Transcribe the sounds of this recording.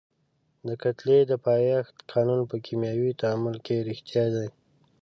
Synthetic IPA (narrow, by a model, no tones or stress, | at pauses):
d̪əkat̪led̪əpɑjɑxt̪qʰɑnunpəkʰimjawit̪aamʊlkeɾɪxt̪jɑd̪aj